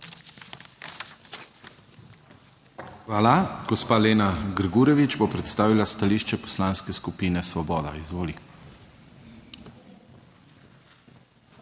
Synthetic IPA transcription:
xʋaːlaɡ̥ɔspaːleːnaɡɾɡuɾjɛʋid͡ʒbopɾɛt̪st̪aːʋilast̪aliːʃt͡ʃɛpɔ̥slaːnskɛskupiːnɛsʋɔbɔːd̪a̰izʋoːli

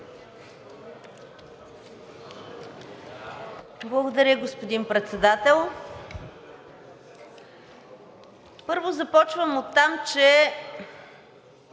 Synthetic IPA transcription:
blˠɐɡod̪ɐɾʲəɡospod̪inpɾɛt̪sɛd̪at̪ɛlˠ | pɤɾvozɐpɔt͡ʃvəmot̪ːamt͡ʃɛ

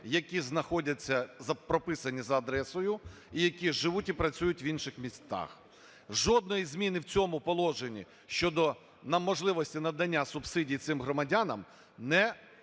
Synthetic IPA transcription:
jɐkʲiznɐxɔdʲɐt͡sʲːɐzɐpɾɔpɪsɐnʲizɐːd̪ɾɛsɔjʊ | ijɐkʲiʒɪʋutʲipɾɐt͡sʲujʊtʲʋinʃɪxmʲisʲt̪a̰x | ʒɔd̪̚nɔjizmʲinɪwt͡sʲɔmʊpɔlˠɔʒenʲḭ | ʃt͡ʃɔd̪ɔ | nɐmɔʒlˠɪʋɔsʲtʲinɐd̪ɐnʲːasʊbsɪdʲijt̪sɪmɦɾɔmɐdʲanɐm | nɛ

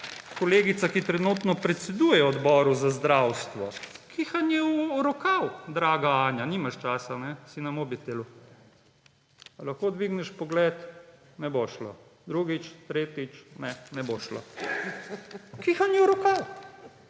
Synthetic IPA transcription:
kɔleːɡit̪sakit̪ɾɛnut̪nɔpɾɛt̪sɛd̪uːjɛɔd̪bɔːɾuzazd̪ɾawst̪ʋɔkʰixanjɛuɾɔkawd̪ɾaːɡaaːnjaniːmaʃt͡ʃaːsanɛsinamobit̪elu | alaxkod̪ʋiɡnɛʃpɔɡlɛt̪ | nɛboʃlo̰d̪ɾuɡit͡ʃt̪ɾeːt̪it͡ʃnɛnɛboʃlo̰ | kixanjɛwɾɔkaw

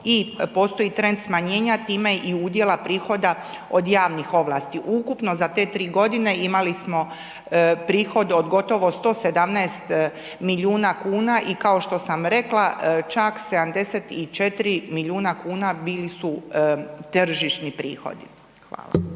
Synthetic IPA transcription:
ipo̞ːst̪o̞jit̪ɾe̞nd̪smaɲe̞ːɲat̪iːme̞ʔiud̪je̞lapɾiːxo̞d̪a | o̞d̪jaːʋnixo̞ʋlˠaːst̪iʔukupno̞zat̪e̞ːt̪ɾiːɡo̞d̪ine̞imalismo̞ | pɾiːxo̞d̪o̞d̪ɡo̞t̪o̞ʋo̞st̪o̞ːse̞d̪amnɛːst̪ | milʲuːnakuːnaʔikao̞ʃt̪o̞samɾe̞klˠat͡ʃakse̞d̪amd̪e̞set̪it͡ʃet̪iɾimiʎʲuːnakuːnabiːlisu | t̪r̩ʒiʃnipɾḭːxo̞̰d̪i | xʋa̰ːlˠa̰

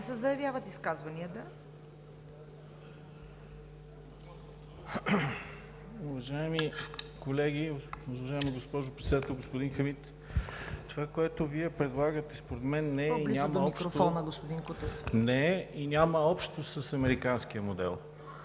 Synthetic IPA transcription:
sɛzɐjɐvʲjavət̪iskazvɐniət̪ə | ʊvɐʒaɛmikolɛɡ̟iʊvɐɐʒaimiɡospɔʒʊpɾɛt̪sɛd̪at̪ɛlˠɡospod̪inxɐmit̪ | t̪ovakoɛt̪oviɛpɾɛd̪lˠaɡət̪ɛspoɾɛd̪mɛnːɛinʲamɐɔiʃot̪ɔnəɡospʊd̪inkut̪ɛfnɛinʲaməɔpʃt̪osəsɐmɛɾikansk̟iəmod̪ɛ̰lˠ

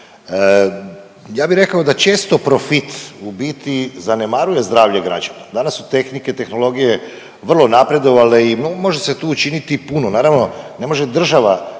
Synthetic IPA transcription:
jaːbiɾe̞kaod̪at͡ʃe̞ːst̪o̞pɾo̞fit̪ubiːt̪izane̞maɾuje̞zd̪ɾaːʋʎeɡɾa̰d͡ʒanad̪anasːu̥t̪e̞xnike̞t̪e̞xno̞lo̞ɡije̞ | ʋr̩lˠo̞napɾe̞d̪o̞ʋale̞inomo̞ʒe̞set̪uːut͡ʃinit̪ipunonaːɾaʋno̞ne̞mo̞ʒe̞d̪r̩ʒaʋa

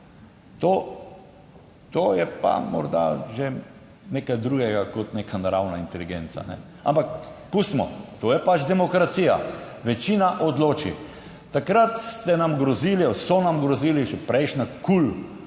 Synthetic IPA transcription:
t̪oː | t̪oːjɛpa̰mɔ̰ɾd̪a̰ʒe | neːkajd̪ɾuːɡɛɡakɔt̪neːkʰanaɾawnaint̪ɛliɡeːnt̪sa̰nɛ̰ | a̰mpakpust̪mɔ̰t̪oːjɛpat͡ʃd̪ɛmɔkɾat̪siːja̰ | ʋɛt͡ʃiːnaʔɔd̪loːt͡ʃi | t̪akɾat̪st̪ɛnamɡɾɔziːliosɔnamɡɾɔziːliʒɛpɾɛjʃnakul

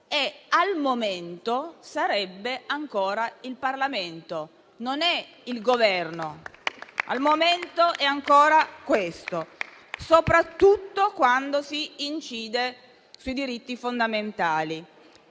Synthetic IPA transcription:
ealmoment̪osaɾɛbːeaŋkoːɾailparlament̪o | nonɛ | ilɡovɛrno | a̰lmoment̪oʔɛaŋkoːɾakwest̪o | sopɾat̪ːut̪ːokwand̪osiːnt͡ʃiːd̪e | suid̪iɾit̪ːifond̪ament̪aːli

